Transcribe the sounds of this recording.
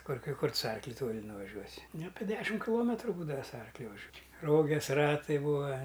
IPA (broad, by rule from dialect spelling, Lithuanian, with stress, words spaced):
ˈkʊr ˈkɐɪ ˈkʊr tʊ sʊ ˈɐrklʲʊ ˈtoːlʲɪ nʊʋɐˈʒʲuɔsʲɪ nʊ ˈɑːpʲɛ ˈdʲæːʃʲɪm kʲɪˈlˠoːmʲɛtrʊ ˈbuːdɐʋɐ sʊ ˈɐrklʲʊ ʋɐˈʒʲuɔ ˈroːɡʲɛs ˈrɑːtɐɪ ˈbuːɐ